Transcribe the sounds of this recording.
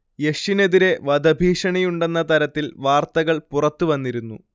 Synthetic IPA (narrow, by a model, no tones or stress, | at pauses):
je̞ʂine̞ðiɾe̞ʋɐd̪ʱɐbʱiːʂɐɳɐjuɳɖe̞nːɐt̪ɐɾɐt̪ːilʋaːrt̪ɐɣɐɭpurɐt̪ːuʋɐnːiɾunːṵ